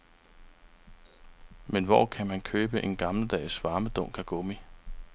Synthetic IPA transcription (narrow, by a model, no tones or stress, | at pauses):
menʋɒ̰ːkʰæmænkʰøːb̥əʔe̝nɡ̥ɑ̈ml̩d̥ɛ̰ːsʋɑ̈ːməd̥ɔ̽ŋ̰kʰæɡ̥o̰mi